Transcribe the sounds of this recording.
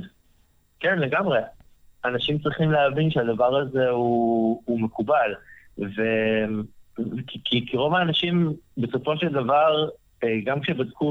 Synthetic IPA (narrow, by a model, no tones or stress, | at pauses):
kenle̞ɡamʁe̞ | anaʃimt͡sʁiχimleavinʃead̪avaʁaze̞uume̞kubalve | kikʰikiʁo̞vaːnaʃimbe̞so̞fo̞ʃeld̪avaʁ | ɡamkʃebad̪ku